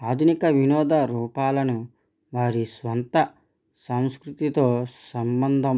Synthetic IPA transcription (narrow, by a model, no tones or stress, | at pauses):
aːd̪ʱunikɐʋinɔːd̪ɐɾuːpaːlɐnu | ʋaːɾisʋɐnt̪ɐ | sɐmskɾut̪it̪o̞ːsɐmbɐnd̪ʱɐm